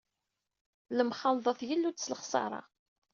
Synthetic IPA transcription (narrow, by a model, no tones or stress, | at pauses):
ləmχɑlðˤɑθjəlːud̪sləχsˤɑ̰ɾˤɑ̰